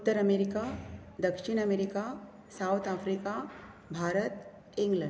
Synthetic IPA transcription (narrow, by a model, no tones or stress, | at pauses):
ut̪ːəɾɐmeɾika | d̪əkʂiñəmeɾika | sawt̪ʰafɾika | bʱaːɾət̪̚ | ĩŋɡlə̃ɳɖ